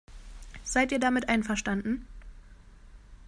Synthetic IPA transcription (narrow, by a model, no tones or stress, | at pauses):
z̥aɪtiːɐdamɪtʔaɪnfɛɐʃtandn̩